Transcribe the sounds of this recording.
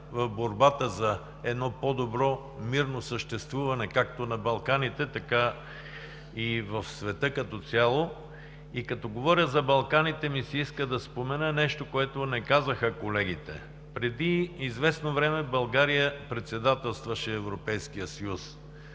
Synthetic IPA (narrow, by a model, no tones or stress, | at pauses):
vɐvboɾbat̪əzɐ | ɛd̪nɔpɔd̪obɾɔ | miɾnosəʃt̪ɛst̪vuvɐnɛkakt̪onɐbɐlˠkanit̪ɛt̪ɐka | ivɐfsvɛt̪ɤkɐt̪ɔt̪sʲjalˠo | ikɐt̪ɔɡovɔɾjəzɐbɐlˠkanit̪ɛmisɛiskəd̪ɐspomɛnənɛʃt̪okoɛt̪onɛkazəxəkolɛɡ̟it̪ɛ̰ | pɾɛd̪iːzvɛsnovɾɛmɛbɐlˠɡaɾijəpɾɛt̪sɛd̪at̪ɛlˠst̪vɐʃɛːvɾopɛjskijəsɐjus